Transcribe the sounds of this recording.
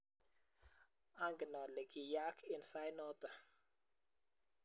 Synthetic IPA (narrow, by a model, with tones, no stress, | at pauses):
a˦ŋɡnɔ˨lɛ˨ki˨ja˦kʰɪ˨nsa˦jnɔ˦t̪a˨